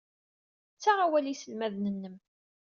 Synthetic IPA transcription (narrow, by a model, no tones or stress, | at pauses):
t͡sːaʁawælisəlmæðnənːəm